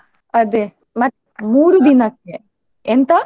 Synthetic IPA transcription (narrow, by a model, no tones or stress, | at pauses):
ɐd̪e | mɐt̪ː | muːɾud̪inɐkːe | ent̪ɐ